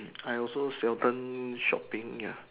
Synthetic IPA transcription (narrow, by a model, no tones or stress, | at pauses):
ajɔlsosɛltə̃nʃɔ̰pĩŋja̰